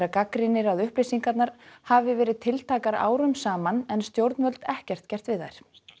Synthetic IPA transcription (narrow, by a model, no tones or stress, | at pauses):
ɾakakɾɪnːɪɾaðʏhplejsiŋkat̪naɾ̥havɪvɛːɾɪðt̪ʰɪlt̪ʰaːkaɾa̰ːwɾʏmsaːmanɛnst̪jowɾt̪nvœlt̪ɛhcɛr̥t̪cɛr̥t̪vɪðajɾ̥